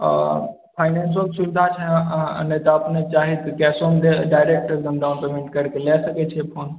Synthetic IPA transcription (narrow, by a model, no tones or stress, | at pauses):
pʰaːɪnɛːnsolsuʋɪd̪ʱat͡ʃʰḛ̃net̪ɐɐpnet͡ʃaːɦit̪kɛːsomd̪eɖaːɪɾeːk̚ʈəɾɡɐ̃md̪aːnpemẽɳʈkɐɾkelɛːsɐket͡ʃʰepʰoːn